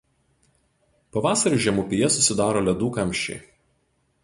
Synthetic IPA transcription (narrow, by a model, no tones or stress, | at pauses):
pɐʋɑːsɐɾʲuˑʒʲɛmʊpʲɪjɛsʊsʲɪd̪ɑːɾoːlʲɛd̪uːkɐmʲʃʲt͡ʃʲɛ̰ɪ